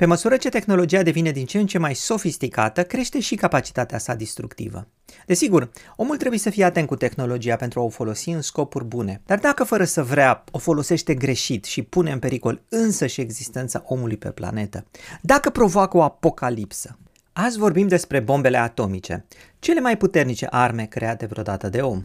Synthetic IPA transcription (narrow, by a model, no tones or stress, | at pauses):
pe̞məsuɾət͡ʃe̞t̪e̞xno̞lo̞d͡ʒiad̪e̞vine̞d̪int͡ʃeːnt͡ʃe̞majso̞fist̪ikat̪əkɾe̞ʃt̪e̞ʃikapat͡ʃi̥t̪at̪easad̪ist̪ɾukt̪ḭvə̰ | d̪e̞siɡuro̞mult̪ɾe̞buje̞səfije̞at̪enkut̪e̞xno̞lo̞d͡ʒiapent̪ɾuaofo̞lo̞siɨnsko̞purʲbune̞d̪̥ard̪akəfəɾəsəvɾeao̞fo̞lo̞se̞ʃt̪e̞ɡɾe̞ʃit̪ʃipune̞ɨmpe̞ɾiko̞lɨnsəʃie̞ɡzist̪e̞nt̪sa̰ʔo̞mulujpe̞̰pla̰ne̞t̪əd̪akəpɾo̞voako̞apo̞kalipsə̥ | azvo̞rbimd̪e̞spɾe̞bo̞mbe̞le̞at̪o̞mit͡ʃe̞̰ | t͡ʃe̞le̞majput̪e̞rnit͡ʃe̞̰ʔarme̞kɾe̞at̪e̞vɾo̞d̪at̪əd̪e̞o̞m